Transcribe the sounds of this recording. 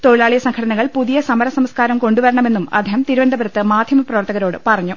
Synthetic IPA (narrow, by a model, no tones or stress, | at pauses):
t̪o̞ɻilaːɭijɐsɐŋkʰɐɽɐnɐɣɐɭpuðijɐsɐmɐɾɐsɐmskaːɾɐmko̞ɳɖuʋɐɾɐɳɐme̞nːumɐ̰d̪ʱeːɦɐmt̪iɾubɐnd̪ʱɐbɐɾɐt̪ːɨmaːd̪ʱjɐmɐprɐʋɐrt̪ɐɣɐɾo̞ːɽɨpɐrɐɲːu